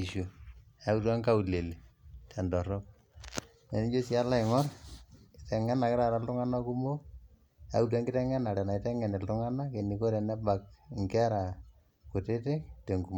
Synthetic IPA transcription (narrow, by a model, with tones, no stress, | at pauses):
i˨ʃu˨a˦u˦t̬a˦ŋka˦u˨le˨le˨tʰɛ˨ndɔ˨ɾɔ˦k̚ | ne˨ni˦d͡ʒo˦si˦a˦la˦ɪ˨ŋɔ˦rkɪtɛ˨ŋɛ˦na˨kɪ˦ɾa˨ɾa˨ltʊ˦ŋa˦na˦ku˦mo˦ | a̰˨u˦t̬a˦ŋɡɪ˦tɛ˦ŋɛ˦na˨ɾɛ˨na˨tɛ˦ŋɛ˨nɛ˨ltʊ˦ŋa˦na˦ke˨ni˨ko˦ɾe˨nɛ˦ba˨k̚ŋkɛ˦ɾa˨ | ku˨te˦te˦te˨ŋɡu˨mo˦